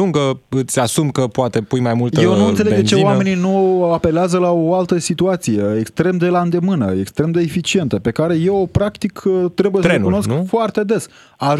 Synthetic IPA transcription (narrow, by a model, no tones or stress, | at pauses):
uŋɡəɨt̪sʲasumkəpoat̪e̞pujmajmultj̪ewnunt̪seeɡ̪t͡ʃeoame̞ninuape̞leazəlaoalt̪əsit̪uat̪sije̞ekst̪ɾe̞md̪e̞land̪e̞mɨnə̰ekst̪ɾe̞md̪e̞ːfit͡ʃie̞nt̪əpe̞kaɾe̞je̞wopɾakt̪ikt̪ɾe̞bujesəenuno̞skfoart̪e̞d̪e̞s | a